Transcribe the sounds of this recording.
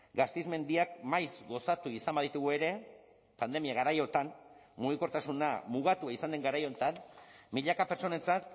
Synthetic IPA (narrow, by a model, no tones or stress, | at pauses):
ɡast̪izme̞nd̪iak̚majzɡo̞sat̪uisambaðit̪uɣ̞ue̞ɾe̞ | pand̪e̞miaɣaɾajo̞t̪an | muɣikoɾt̪asunamuɣ̞at̪uaisand̪e̞ŋɡaɾajo̞nt̪anmiʎakape̞ɾt͡ʃo̞ne̞nt͡sat̪